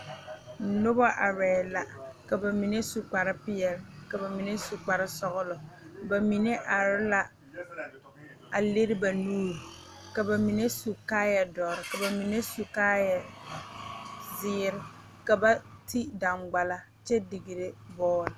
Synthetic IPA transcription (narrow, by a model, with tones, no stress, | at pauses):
nʊ˦bɔ˦ʔa˨ɾɛː˨la˨ka˨ba˨mi˨ne˦su˨k͡pa˨ɾɪ˦pɪ˦jɛ˨lka˨ba˨mi˨ne˦su˨k͡pa˨ɾɪ˦sɔ˦ɣʊ˦lɔ˨ba˨mi˨ne˦ʔa˨ɾɪ˦la˦ | a˨le˦ɾɪ˦ba˨nuː˦ɾ | ka˨ba˨mi˨ne˦su˨kaː˦jɛ˨dɔː˨ɾɪ˨ka˨ba˨mi˨ne˦su˨kaː˦jɛ˨ | zɪ˦ɾɪ˦ | ka˨ba˦tʰi˦da˨ŋɡ͡ba˨la˦ | t͡ʃɛ˦dɪ˨ɡɪ˨ɾɪ˦bɔː˦ɾɪ˨